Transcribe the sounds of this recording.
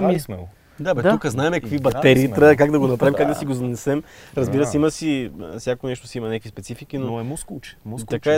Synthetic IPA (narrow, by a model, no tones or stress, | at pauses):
mismɛ | d̪abɛd̪ukəznaɛmɛkkvibɐt̪ɛɾiːt̪ɾakaɡd̪ɐɡonɐpɾavimkaɡd̪ɐsiɡozɐnɛsɛmɾɐzbiɾəsɛimɐsifsʲjakonɛʃt̪osiimɐnʲakvispɛt̪sifikinoɛmuskut͡ʃɛ̥t̪ɐkaɛ